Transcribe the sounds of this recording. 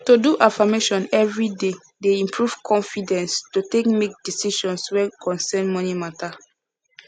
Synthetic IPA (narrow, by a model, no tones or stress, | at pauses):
toduʔafameʃɔ̃nɛvɹide | deĩmpʰɹuv̥kʰɔ̃nfidɛ̃nstutekmek̚disiʃɔ̃nswɛkʰɔ̃nsɛnmɔnimata